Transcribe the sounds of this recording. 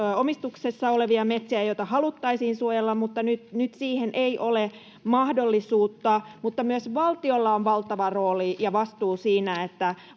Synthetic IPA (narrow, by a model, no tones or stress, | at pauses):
omist̪uksesːɑoleʋiɑmet̪siæjoit̪ɑhɑlut̪ːɑisiːnsuojelːɑmmut̪ːɑnyt̪nyt̪siːhenʔeiʔole | mɑhdolːisuːt̪ːɑmut̪ːɑmyøsʋɑlt̪iolːɑonʋɑlt̪ɑʋɑroːlijɑʋɑst̪uːsiːnæet̪ːæ